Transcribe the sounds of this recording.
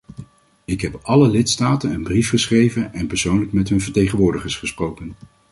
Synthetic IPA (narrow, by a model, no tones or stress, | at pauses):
ɪkɦɛpʔɑləlɪtstaːtənənbrifχəsχrejvənɛnpəɹsownlək̚mɛtɦɵnvəɹtejχənʋʊːɹdəχəɹsχəsprowkən